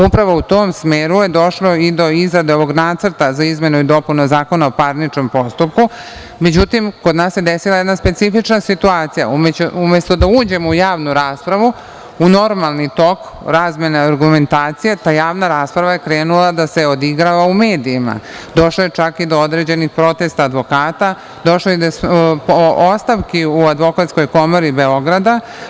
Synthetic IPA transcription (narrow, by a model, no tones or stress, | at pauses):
upɾaʋo̞ut̪o̞ːmsmeːɾuje̞d̪o̞ʃlo̞id̪o̞izɾad̪eo̞ʋo̞ɡnaːt̪səɾ̩t̪azaizme̞nuid̪o̞punozaːko̞nao̞paɾnit͡ʃo̞mpo̞st̪up̚ku | me̞d͡ʑut̪imkod̪naːsje̞d̪esilajed̪naspe̞t̪sifit͡ʃnasit̪uaːt̪sija̰umeumest̪o̞d̪auːd͡ʑe̞mujaːʋnuɾaːspɾaʋu | uno̞ɾmalˠnit̪o̞k | ɾaːzme̞neaɾɡume̞nt̪aːt̪sijet̪aːjaːʋnaɾaːspɾaʋajekɾeːnulad̪ase̞o̞d̪iɡɾaʋaume̞ːd̪iːma̰d̪o̞ʃlojet͡ʃakid̪o̞od̪ɾe̞d͡ʑe̞nixpɾo̞t̪e̞st̪aːd̪ʋo̞kaːt̪a | d̪o̞ʃlojed̪ospost̪aʋkiuad̪ʋo̞kat̪sko̞jko̞moɾibe̞o̞ɡɾad̪a